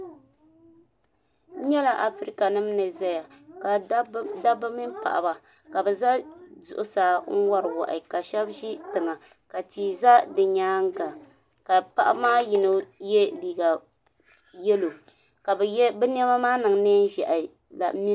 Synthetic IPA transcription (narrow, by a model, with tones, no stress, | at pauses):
ɲɛ˦la˨ʔa˨fɾi˦ka˨nɨ˦m˦nɨ˨za˦ja˨ka˨˦da˦bɨ˦mi˦m˦pa̰˨ʔa̰˨ba˨ | ka˨bɛ˨za˦zʊ̰˨ʔʊ˨saː˨ŋ̩˦wa˦ɾɨ˨wa̰˨ʔɪ˨ka˨ʃɛ˦bʒi˦tɨ˨ŋa˨ | ka˨tʰiː˨za˦dɨ˨ɲaː˦ŋ˦ɡa˨ | ka˨pa˦ʔa̰˦maː˦ji˨no˦jɛ˦liː˨ɡa˨ | jɛ˦lo˨ | ka˨bɛ˨jɛ˦bɛ˦n˦ɛ˦ma˦maː˦nɨ˨ŋnɛ˦n˦ʒɛ˨ʔ | la̰˨mi˦